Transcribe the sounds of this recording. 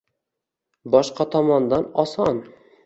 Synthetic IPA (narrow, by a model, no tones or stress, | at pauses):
bɒʃqɑt̪ʰɒmɒnd̪ɑnɒsɑn